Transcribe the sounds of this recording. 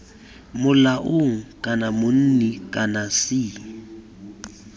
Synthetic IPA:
mʊlaʔʊŋ̩kʼanamʊn̩nɛkʼanasiːŋ̩

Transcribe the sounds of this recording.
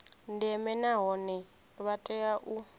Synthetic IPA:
ndɛmɛnaɦɔnɛ | βatʼɛjaʔu

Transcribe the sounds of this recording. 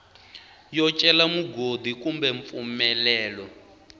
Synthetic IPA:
jɔt͡ʃʼɛlamuɡod̪ikʼumbɛɱp̪fumɛlɛːlɔ

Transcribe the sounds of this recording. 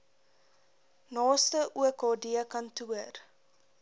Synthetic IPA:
nɑːstəʔuəkɦɑːdiəkɐntuər

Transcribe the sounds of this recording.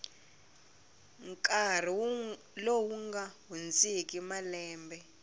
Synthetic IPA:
ŋkʼar̤i | lowuŋɡaɦund͡zʼik̬ʼimalɛːmbɛ

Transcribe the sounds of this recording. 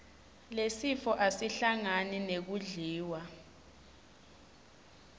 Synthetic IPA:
lesifɔʔasiɬaŋaninek̬uɮiːwa

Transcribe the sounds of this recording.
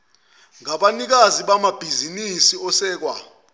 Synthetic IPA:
ŋaɓanik̬aziɓamab̥ʱizinisiɔsɛːk̬wa̰

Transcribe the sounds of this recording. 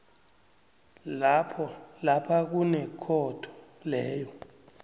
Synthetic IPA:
lapʰɔlapʰak̬unɛkʰɔtʰɔ̥ | lɛːjɔ

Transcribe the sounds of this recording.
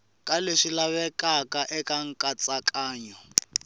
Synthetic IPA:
kʼaleʂilaβɛkʼakʼaʔɛkʼaŋ̩kʼat͡sʼakʼaːɲɔ

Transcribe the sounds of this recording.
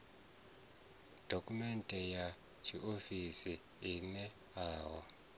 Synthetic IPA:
d̥ʱokʼumɛntʼɛja | t͡ʃʰiʔofisi | inɛ | aːwɔ

